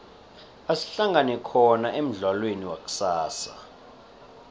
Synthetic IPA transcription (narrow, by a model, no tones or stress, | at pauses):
asi̥ɬaŋɡanɛkʰɔnaʔem̩ɮwalweniwa̰k̬ʼu̥saːsa̰